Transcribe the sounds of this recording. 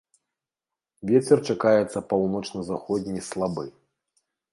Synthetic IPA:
vʲɛt͡sʲɛrt͡ʂakajɛt̪sːɐpawnɔt͡ʂnɐzaxɔdʲnʲislˠabɨ̰

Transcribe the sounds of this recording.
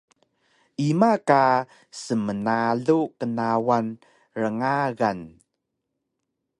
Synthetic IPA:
ʔimaka | səmənaɮukənawan | ɾəŋaɣan

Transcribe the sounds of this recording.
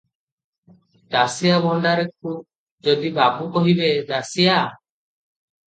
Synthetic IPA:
d̪asijabɔɳɖaɾek̚ʰub̚ | d͡ʒɔd̪ibapukɔɦibed̪asija

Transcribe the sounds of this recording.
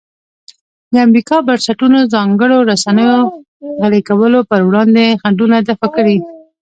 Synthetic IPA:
d̪əamɾikɑbaɾsaʈunozɑŋɡəɽoɾasanəjo | ɣaɽekawəlopəɾwɽɑnd̪exaɳɖunad̪afakəɽi

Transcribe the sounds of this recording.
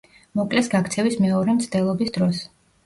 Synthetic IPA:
mɔkʼlɛsɡakʰt̪sʰɛvismɛɔɾɛmt̪sʰd̪ɛlˠɔbisd̪ɾɔs

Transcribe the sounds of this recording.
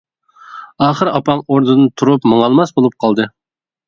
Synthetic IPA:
ɑːχəɾɑpɑŋoɾd̪ɨd̪ɨnt̪ʰuɾupməŋɑlˠmɑsbolˠup̚qʰɑlˠd̪ɨ

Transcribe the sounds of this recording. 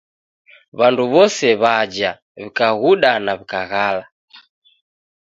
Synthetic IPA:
βanduβɔsɛβad͡ʒa | βikaɣuɗanaβikaɣala

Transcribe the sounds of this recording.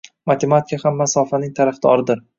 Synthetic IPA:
mat̪ʰemat̪ʰɪ̥kʲahamːasɒfanɪŋt̪ʰaɾafd̪̥ɒɾɪd̪ɪɾ

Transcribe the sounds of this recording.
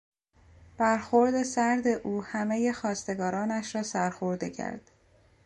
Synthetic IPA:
b̥æɾxoɾd̪e̞sæɾd̪e̞ʔuːhæmeje̞xɒːst̪e̞ɡɒːɾɒːnæʃɾɒːsæɾxoɾd̪ḛcʰæ̰ɾd̪̥

